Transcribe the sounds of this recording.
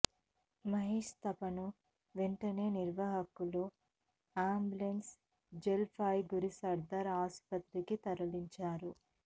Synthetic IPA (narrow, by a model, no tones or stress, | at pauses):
mɐɦeːʂt̪ɐpɐnu | ʋeɳʈɐne̞ːniɾʋaɦɐkulu | aːmbulens | d͡ʒelpʰaːjɡuɾisɐɾd̪ɐɾaːspɐt̪ɾikit̪ɐɾɐliɲt͡ʃaːɾu